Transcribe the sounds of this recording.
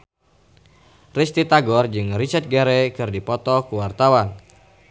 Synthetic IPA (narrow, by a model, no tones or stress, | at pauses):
rist̪it̪aɡɔrd͡ʒɨŋrit͡ʃɛt̪̚ɡɛɾɛkɨrdipɔt̪ɔkuwart̪awan